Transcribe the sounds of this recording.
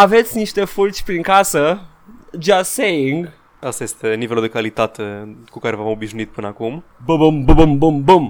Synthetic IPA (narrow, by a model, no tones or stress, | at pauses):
avet̪sʲniʃt̪efult͡ʃʲpɾiŋkasə | d͡ʒasejiŋɡ | asɐest̪ɨnivelˠd̪ɨkalˠit̪at̪ɨkukaɾevavãmbiʒnuit̪̚pɨnakumbɐbɐmbɐbɐmbumbom